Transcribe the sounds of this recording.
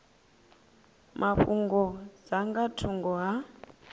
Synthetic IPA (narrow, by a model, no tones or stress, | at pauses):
mʔaɸuŋɡɔd͡zaŋɡatʰuŋɡɔɦa